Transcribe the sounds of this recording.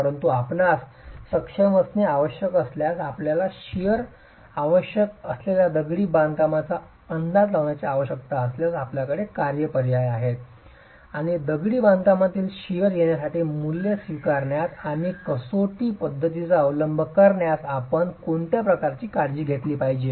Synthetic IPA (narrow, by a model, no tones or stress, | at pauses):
əɾənt̪uapnasːəkʂəməsniaʋəɕjəkəsljasapljalaɕijəɾ | aʋəɕjəkəsleljad̪əɡɽiːbãnd̪kamat͡sa | ənd̪ʱat̪laʋɳjat͡seaʋəɕjək̚t̪aəsljasapljakəɽekaɾjəpəɾjajaɦet̪̚ | aɽ̃id̪əɡɽiːbãnd̪kamat̪iːlɕijəɾjenjasaʈiːmuljesʋikaɾɳjat̪aɽ̃ikəsoʈiːpəd̪ʱːət̪it͡saəʋləmbʱəkəɾɳjasapəɳkoɳt̪japɾəkaɾt͡ɕiːkaɾd͡ʑiːɡʱet̪liːpaɦid͡ʑe